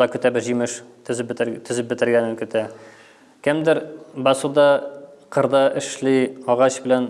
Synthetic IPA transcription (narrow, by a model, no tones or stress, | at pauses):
ɑkɵ̆t̪æbɘʑimɘʃ | ɵ̆zɘt̪ɵ̆zɘp̚bɘ̆t̪ɘ̆ɾɡænɘŋkɵ̆t̪æ | kɘmd̪ɘɾbɒsud̪ɑqɤ̆ɾd̪ɑʔɘ̆ʃliɒʁɑɕbɘ̆læn